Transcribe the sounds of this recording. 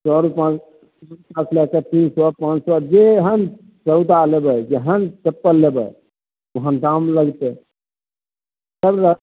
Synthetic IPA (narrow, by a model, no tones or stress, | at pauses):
t͡ʃɔɾupãt͡ʃ | pãt͡ʃʰlɛkət̪insɔpãt͡ʃsɔd͡ʒeɦən | t͡ʃəʊd̪alebəd͡ʒeɦənt͡ʃəpːəlːebə̰ | uɦənɖamləɡt̪e | səbɾə